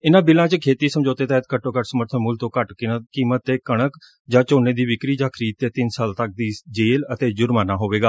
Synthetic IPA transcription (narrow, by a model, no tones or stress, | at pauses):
ɪnãːbɪlãːt͡ʃəkʰeːt̪iːsəmd͡ʒoːt̪eːt̪ɛːt̪̚kəʈːõːkəʈsəməɾt̪ʰənmʊlt̪õːkəʈkiːmət̪ːeːkəɽ̃ək | d͡ʒãːt͡ʃoːneːd̪iːʋɪkɾiːd͡ʒãːkʰəɾiːd̪̚t̪eːt̪ɪnsaːlt̪ək̚d̪iːd͡ʒeːlət̪eːd͡ʒʊɾmaːnaːɦoːʋeːɡaː